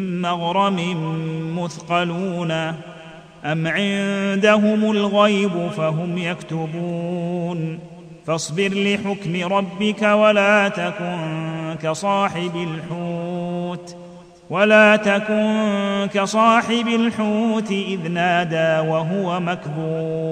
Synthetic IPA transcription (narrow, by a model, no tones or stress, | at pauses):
ɪmmaɣɾˤɑmɪmʊθqɑluːna | ʔamʕɪnnd̪aɦʊmʊlɣajbʊfaɦʊmjakt̪ʊbuːn | fɑsˤbɪɾlɪħʊkmɪɾˤɑbːɪkawalaːt̪akʊnkasˤɑːħɪbalħuːt̪ | walaːt̪akʊnnkasˤɑːħɪbalħuːt̪ɪʔɪðnaːd̪aːwaɦʊwamakbuː